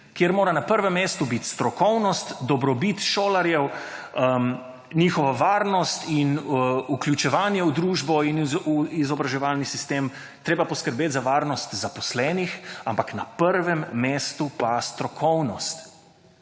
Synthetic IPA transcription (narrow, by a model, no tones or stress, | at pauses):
kjeɾmoːɾanapəɾʋɛmːeːst̪ubit̪st̪ɾɔkɔwnɔst̪d̪ɔbɾɔbit̪ʃoːlaɾjɛw | ə | niːxɔʋaʋaːɾnɔst̪inuklʲjut͡ʃɛʋaːnjɛwd̪ɾuːʒbɔinuizɔbɾaʒɛʋalnisist̪eːm | t̪ɾeːbapɔskəɾbeːt̪zaʋaːɾnɔst̪zapɔslɛːnixampaknapəɾʋɛmːeːst̪upast̪ɾɔkʰɔwnɔst̪